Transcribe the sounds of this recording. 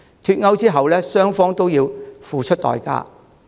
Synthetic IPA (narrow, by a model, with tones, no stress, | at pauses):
t̪ʰyː˧t̚ŋɐ˥wt͡siː˥ɦɐ˨wlɛː˥sœː˥ŋfɔː˥ŋt̪o˥wjiː˧wfuː˨t͡ʃʰɵ˥t̚t̪ɔ̰ː˨jka̰ː˧˥